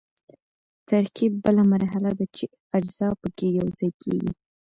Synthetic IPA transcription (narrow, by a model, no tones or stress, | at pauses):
t̪aɾkib̚ːəlamaɾɦalad̪at͡ʃe | ad͡ʒzɑpəkejawzɑjkʰḛɡḭ